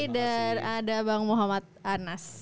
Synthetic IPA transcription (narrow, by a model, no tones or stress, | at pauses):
danadabaŋmoɦamat̪̚anas